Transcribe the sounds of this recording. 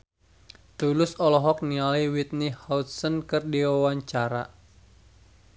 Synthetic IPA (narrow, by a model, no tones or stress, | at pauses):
t̪ulʊsɔlɔɦɔk̚nialiwit̪̚nihaut̪̚sənkɨrdiwawaɲt͡ʃaɾa̰